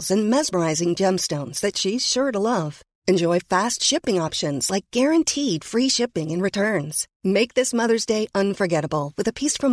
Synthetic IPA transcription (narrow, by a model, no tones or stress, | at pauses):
zɨ̃nmɛzmə˞aɪzɪ̃ŋd͡ʒɛ̃mstõʊ̃nz̥ðɨtʃiz̥ʃʊɹɾəlʌv̥ | ɨ̃nd͡ʒɔɪfæstʃɪpɪ̃ŋɑpʃɨ̃nz̥laɪk̚ɡ̥ɛɹɨ̃ntʰid̥fɹiʃɪpɪ̃ŋɨ̃nɹɨtʰɜ̃˞nz̥ | meɪk̚ðɪsmʌðə˞zdeɪʔʌ̃nfə˞ɡɛɾəbl̩ˠwɨðɨpʰisfɹʌ̃m